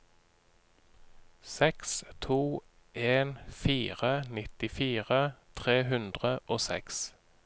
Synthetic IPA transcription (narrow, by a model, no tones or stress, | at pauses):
sɛkst̪ʰuː | ʔeːnfiːʁənɪt̪ɪfiːʁət̪ʰʁeːɦʉnd̪ʁəʔoːsɛ̰ks